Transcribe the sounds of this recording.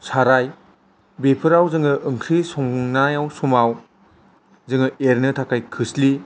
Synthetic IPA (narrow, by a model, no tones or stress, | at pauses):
saɾaj | bepʰɯɾawzɯŋɯʔɯŋkʰɾisɔŋŋnajawsumaw | zɯŋɯeɾnɯtʰakʰajkʰɯsli